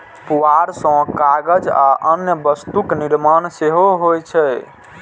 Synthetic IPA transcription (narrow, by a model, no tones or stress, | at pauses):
puaɾsə̃kaɡəd͡ʒa̰ʔənjəbəst̪ukniɾmanseɦoɦojt͡ʃʰɛ